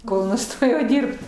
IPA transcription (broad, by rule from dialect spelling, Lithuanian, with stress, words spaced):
ˈkoːlˠ nʊˈstoːjɛʊ ˈdʲɪrpt